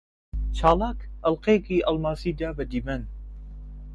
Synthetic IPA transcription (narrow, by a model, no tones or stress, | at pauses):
t͡ʃʰaːlaːkɐlqeːkiːʔɐlmaːsiːd̪aːbɐd̪ibɐn